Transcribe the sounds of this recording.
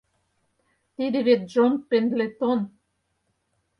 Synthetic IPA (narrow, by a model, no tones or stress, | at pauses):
t̪id̪ɘ̆βet̪̚ʒonpend̪let̪on